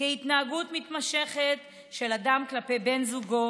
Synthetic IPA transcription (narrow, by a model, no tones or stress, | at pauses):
eit̪naːɡutmit̪maʃe̞χet | ʃe̞ladamklape̞jbe̞nzuɡo̞